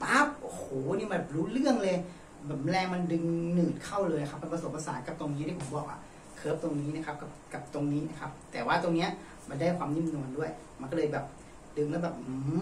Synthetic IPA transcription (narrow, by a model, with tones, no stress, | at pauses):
pa˦˥p̚ʔo˧hoː˨˩˦niː˧˥ma˧˩bɛ˨˩p̚ɾuː˦˥lɯ˥˩əŋlɤː˧j | bɛː˨˩p̚m˧lɛː˧ŋma˧ndɯ˧ŋnɯː˨˩t̪̚kʰa˥˩wlɤː˧jna˦˩a˦˥p̚ːa˧pa˧so˨˩˦pːa˧saː˨˩˦t̪̚ka˨˧˦p̚t̪o˧ŋniː˧˦˧da˥˩pʰo˨˩˦bɔː˨˩k̚ʔa̰˧˩ | kʰɤː˦˥˩p̚t̪o˧ŋniː˦˥na˦˥kʰa˦˥p̚ka˧˩pka˨˩p̚t̪o˧ŋniː˦˥˨na˦˥˩kʰa˦˥p̚t̪ɛː˨˩waː˥˩t̪o˧ŋni˦˥ɐʔ | ma˧ndaː˥˩jkʰwaː˧mɲi˧˥˩mnu˧əndu˥˩əj | ma˧nkɔː˧˥˩lɤː˧jbɛː˨˩p̚ | dɯ˧ŋlɛː˧˦˥wbɛː˨˩p̚ː